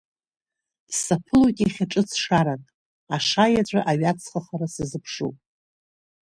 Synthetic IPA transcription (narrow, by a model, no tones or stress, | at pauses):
sapʰɨlukʲʼiχʲaʈ͡ʂʼɨt͡sʰʂaɾanʼ | aʂajat͡ɕʷʼaʔaɥat͡sʰχəχaɾasɨzɨpʰʂṵpʼ